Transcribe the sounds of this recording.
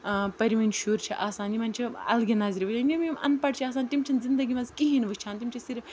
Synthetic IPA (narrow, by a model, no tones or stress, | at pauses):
pɐɾiʋɐnʃuːɾt͡ʃʰiʔaːsaːnimɐnt͡ʃʰiɐ̰lɡʲenaːzɾiʋɐt͡ʃʰanʲomimɐ̰npɐʈ̚t͡ʃʰiaːs̬aːnt̪imt͡ʃʰinzind̪ɐɡimɐzkiɦinʋɨt͡ʃʰaːnt̪imʲt͡ʃʰisiɾʲ